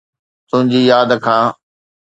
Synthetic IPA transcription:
t̪ʊ̃ɦɪ̃ɲd͡ʑijaːd̪kʰãː

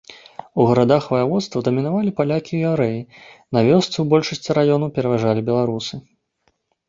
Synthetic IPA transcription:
uɣɐɾad̪axvɐjavɔt̪st̪vɐd̪ɐmʲinavalʲipalʲakʲijaɾɛjinavʲɔst̪sɨwbɔlʲʂɐsʲt͡sʲiɾajɔnɐwpʲɛɾɐvaʐalʲibʲɛlˠaɾusɨ

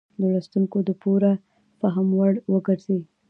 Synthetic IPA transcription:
d̪əlast̪uŋkod̪əpoɾa | paɦamwaɽwəɡəɾzi

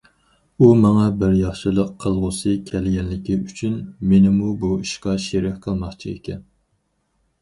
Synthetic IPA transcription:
umɑŋɑbɪɾjɑχʃɨlˠəqʰːəlˠʁʊsɨkʲʰɛlɡʲɛnlɪkʲiyt͡ʃʰynmenɪmubuiʃqɑʃeɾɪkqʰəlˠmɑχt͡ʃʰiḛkʲʰɛn

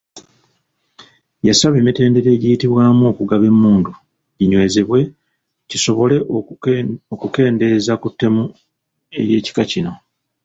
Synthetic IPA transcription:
jasaβe̞ːmite̞ːnde̞ɾe̞ːɟijitiβwaːmoːkuɡaβe̞mːuːndu | iɲwe̞ːzeβwe̞ | ciso̞βo̞le̞ | okuke̞ːnde̞ːzakutːe̞mu | e̞̰je̞ːci̥kacino̞

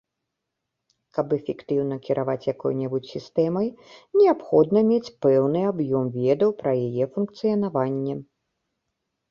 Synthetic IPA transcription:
kɐpɛfʲɛkt̪ɨwn̪ɐkʲiɾʔavat͡sʲjakɔ̰jnʲɛbut͡sʲsʲist̪ɛmɐjnʲɛapxɔd̪nɐmʲet͡sʲpɛwnɨabjɔmvʲɛd̪ɐwpɾɐjajɛfunk̚t̪sɨjɐnavanʲːɛ

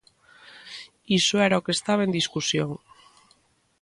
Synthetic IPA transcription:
isoeɾaokest̪aβaend̪iskusjoŋ

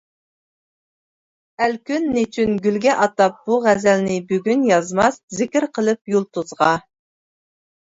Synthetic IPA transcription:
ælkʲynːɪt͡ʃʰynɡʲylɡʲɛʔɑt̪ɑp̚b̥uʁæzælnɪbyɡʲynjɑzmɑszɪkʲɪɾqʰəlˠɨp̚julˠt̪ʰuzʁɑ

